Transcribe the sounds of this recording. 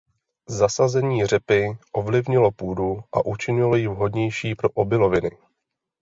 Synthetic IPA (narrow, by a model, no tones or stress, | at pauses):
zasazɛɲiːr̝ɛpɪʔo̞vlɪvɲɪlo̞puːduʔa̰ʔut͡ʃɪɲɪlo̞jɪvɦo̞dɲɛjʃiːpɾo̞ʔobɪlo̞vɪnɪ